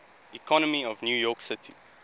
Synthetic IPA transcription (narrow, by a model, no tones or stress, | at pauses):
ikʰɔnəmiɔvnjuːjɔːˑksɪtʰḭ